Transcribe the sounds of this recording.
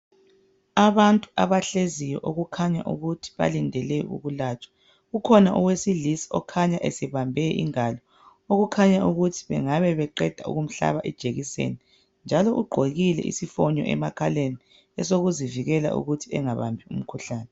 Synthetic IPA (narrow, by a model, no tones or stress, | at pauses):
aβantʼuaβaɬezijɔʔoɣukʰaɲa̰ʔuɣutʰi̥βa̰lindʱɛlɛṵɣulaːt͡ʃʼḁ | ukʰɔnaʔuwesilisi̥ɔkʰaɲaʔesɛβambʱɛʔḭŋalɔ | oɣukʰaɲaʔuɣutʰi̥βɛ̰ŋaβɛβɛǃɛd̥ʱaṵɣum̩ɬa̰βaʔɛd̥ʒ̥ʱeɣisḛni | nd͡ʒʱalɔʔuɡ͡ǃʱoɣilɛ̰ʔḭsifɔɲɔ̰ʔɛ̰makʰaleni | ɛsoɣuziviɣɛla̰ʔṵɣutʰiɛŋaβa̰mbʱium̩kʰuɬaːnɛ